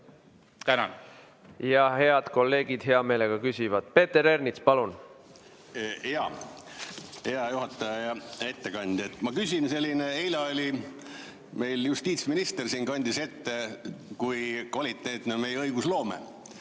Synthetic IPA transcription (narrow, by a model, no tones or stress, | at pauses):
t̪ænɑ̰n | jɑɦe̞ɑd̪̥ko̞lːe̞ːɡ̥id̪̥ɦe̞ɑme̞ːle̞ɡ̥ɑkysʲivɑd̪̥pe̞ːt̪ːe̞ɾe̞rnit̪spɑlun | heɑ | he̞ɑjuɦɑt̪ːˑɑjɑjɑe̞t̪ːe̞kɑnʲd̪̥et̪ːmɑkysʲinse̞lʲːineejlɑolʲi | me̞jljust̪iːt̪sminist̪ersiːnkɑnʲd̪̥ise̞t̪ːekujkɑlʲit̪ːned̪nome̞jɛɤjɡ̥uslo̞ːmḛ